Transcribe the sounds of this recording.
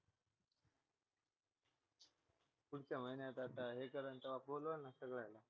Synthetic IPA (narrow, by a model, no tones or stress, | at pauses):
puɽt͡ɕjaməɦinjat̪at̪aɦekəɾəɳt̪əʋabolʋənːasəɡɭajla